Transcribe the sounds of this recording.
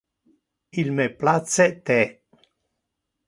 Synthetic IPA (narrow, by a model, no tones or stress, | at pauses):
ilmeplat̪set̪ɛ